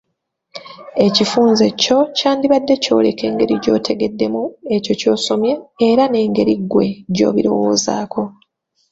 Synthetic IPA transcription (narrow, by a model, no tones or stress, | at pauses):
e̞cifuːnze̞co̞caːndiβadːe̞co̞ːle̞kʰe̞ːŋɡe̞ɾiɟo̞̰ːtʰe̞ɡe̞dːe̞mue̞co̞co̞ːsomje̞ːɾane̞ːŋɡe̞ɾiɡːwe̞̰ɟo̞̰ːβiɾo̞̰wo̞ːza̰ːkʰo̞